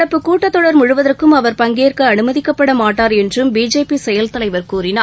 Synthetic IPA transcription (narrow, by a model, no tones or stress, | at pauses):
ɐpːɯkːuːʈːɐt̪ːɔɽɐɾmʊɻʊʋɐðɐrkɯmɐʋɐɾpɐŋɡeːrkɯɐnɯmɐðɪkːɐpːɐɽɐmaːʈːaːɾɛndrɯmbiːd͡ʒeːpisɛjɐlt̪ɐlɐɪʋɐɾkuːɾɪnaː